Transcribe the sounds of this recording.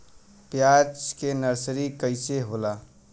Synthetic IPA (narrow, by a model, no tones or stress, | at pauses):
pjad͡ʒkenəɾsɾikəɪseɦola